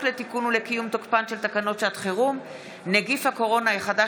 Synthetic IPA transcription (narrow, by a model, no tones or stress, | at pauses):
let̪ikunule̞kijumt̪okpanʃelt̪akano̞t̪ʃeat̪χeʁum | neɡifhako̞ʁo̞najiχada